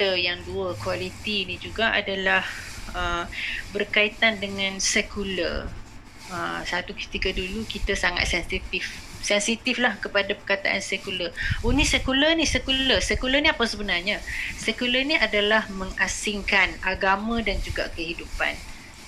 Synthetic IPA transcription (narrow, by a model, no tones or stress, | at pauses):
əjaŋduəkwalit̪inid͡ʒuɡaʔa̰dalahəbərkait̪andəŋãnsɛkulə̰r | əsat̪ukə̥t̪ikədulukit̪asaŋa̰t̪̚sɛnsit̪if | sɛnsit̪iflahkəpadapərkat̪a̰ʔa̰nsɛkuləunisɛkulənisɛkuləsɛkulənĩapasəbənarɲasɛkuləniʔadalahməŋasiŋkanaɡamãdand͡ʒuɡa̰kəɦidupa̰n